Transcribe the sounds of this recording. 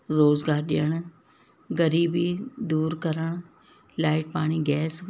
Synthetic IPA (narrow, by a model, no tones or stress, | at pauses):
ɾoːzɡaːɾɗɪjəɽ̃ | ɣɐɾiːbid̪uːɾkɐɾəɽ̃ | laːɪʈ̚paːɽ̃iɡɛːs